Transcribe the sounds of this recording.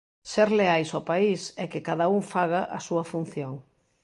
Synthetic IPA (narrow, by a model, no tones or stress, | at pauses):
seɾleajsopaisɛkɪkaðɐuŋfaɣaʔɐsuɐfun̟θjoŋ